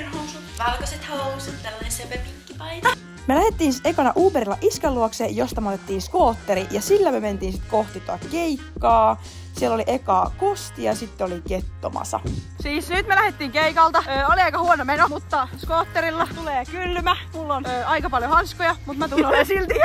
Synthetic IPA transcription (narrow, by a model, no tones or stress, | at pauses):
nhousut̪ʋɑlkɑset̪hɑoset̪t̪ælːɑnesepepikːipɑit̪ɑ | melæhet̪ːiːnsekɑnɑʔuːpeɾilːɑʔiskelːuoksejost̪ɑmot̪et̪ːiːnskoːt̪ːeɾiʔjɑsilːæmøment̪iːnsit̪ko̞ht̪it̪uɑt̪keikːɑː | sielːoliʔekɑːkost̪iɑsit̪ːeoliket̪ːo̰mɑ̰sɑ̰siːsnyt̪melæhet̪ːiːŋkeikɑlt̪ɑøːoliɑikɑhuonomenomut̪ːɑskoːt̪ːeɾilːɑt̪uleːkylːmæmulːonøːɑikɑpɑljohɑnskojɑmut̪mæt̪unolensilt̪i